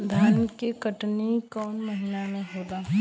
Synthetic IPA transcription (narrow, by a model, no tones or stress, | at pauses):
d̪ʱaːnkekəʈnikɔːnməɦinamẽɦoːd̪aː